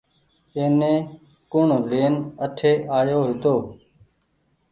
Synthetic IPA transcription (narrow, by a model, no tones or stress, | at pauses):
eːnẽː | kʊɳleːnəʈʰeːʔaːjoːɦɪt̪oː